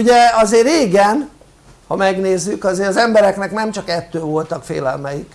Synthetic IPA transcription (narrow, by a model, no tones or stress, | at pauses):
uɟɛɒzeːreːɡɛn | hɒmɛɡneːzːykɒzeːɾɒzɛmbɛɾɛknɛknɛmt͡ʃɒkɛt̪ːøːvo̞lt̪ɒkfḛːlɛ̰lmɛjik